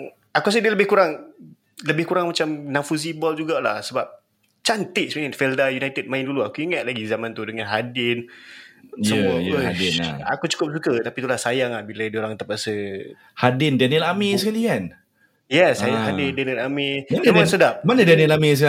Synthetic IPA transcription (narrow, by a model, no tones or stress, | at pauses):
akuas̬ədiələbɪhkuɾaŋ | ləbɪhkuɾaŋmat͡ʃamnafuzibɔld͡ʒuɡala̰hsəbap̚ | t͡ʃant̪ɪʔsmainfɛldajunajt̪əd̚mãɪnduluakuiŋat̪̚laɡizamãnt̪udəŋanɦadɪn | səuədɪn̰a̰kut͡ʃu̥kʊp̚s̬ukət̪apit̪ulahsajaŋahbiladioɾaŋt̪apaʔsə | hadɪndanilamesəkalian | jɛsajahadɪndaniəlamianmasədap̚manədanilamis̬